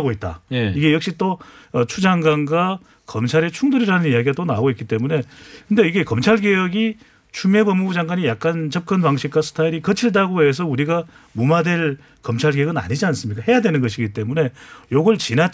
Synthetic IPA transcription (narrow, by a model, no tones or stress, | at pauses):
ɡoit̚t͈a̰jiɡe̞jʌk̚ɕ͈it͈oʌt͡ɕʰud͡ʑaŋɡwanɡwa | kʌmt͡ɕʰaɾet͡ɕʰuŋduɾiɾanɯnijaɡiɡat͈ona̰ɡoitk͈it͈e̞mune̞kɯnde̞iɡe̞kʌmt͡ɕʰaɭɡejʌɡi | t͡ɕʰumebʌmːubud͡ʑaŋɡwaɲijak̚k͈ant͡ɕʌp̚k͈ʌnbaŋɕʰik̚k͈wasʰtʰaiɾikʌt͡ɕʰiɭdaɡoɦe̞s̬ʰʌuɾiɡa | mumadwe̞ɭ | kʌmt͡ɕʰaɭɡejʌɡɯna̰ɲid͡ʑians͈ɯmɲik͈aɦe̞jadwe̞nɯnɡʌɕ̬ʰiɡit͈e̞mune̞joɡʌɭt͡ɕina